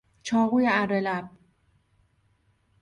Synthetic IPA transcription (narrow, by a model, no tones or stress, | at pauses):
t͡ʃʰɒːɣuːjeærːelæb̥̚